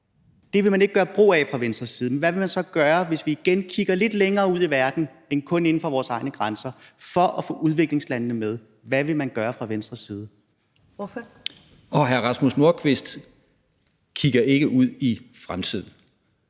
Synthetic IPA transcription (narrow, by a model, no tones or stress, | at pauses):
d̥e̝ʋe̝mæne̝ɡ̥ə̥ɡɶːɐb̥ʁo̝̰ːɛfʁɑ̈ʋensd̥ʁɐsiːð̞ˠn̩ʋæʋe̝mænsɒ̽ɡ̥ɶːɐʋe̝sʋiːɡ̥enkʰiɡ̥ɐle̝d̥leŋɐːuð̰ˠiʋæɐd̥n̩ | enkʰɔ̽ne̝n̩fɒ̽ʋɒːsɑ̈ɪnəɡ̥ʁansɐfɒ̽ʔɒfɔ̰̽ːuð̞ˠʋe̝ɡ̥le̝ŋslænənəmeð̞ˠ | ʋæʋe̝mænɡ̥ɶːɐfʁɑ̈ʋensd̥ʁɐsiːð̞ˠ | ɒɦæɐʁɑ̈smusno̝ɐ̰kʰʋe̝sd̥ | kʰiɡ̥ɐʔe̝ɡ̥əʔuð̞̰ˠifʁamt͡sʰið̞̰ˠn̩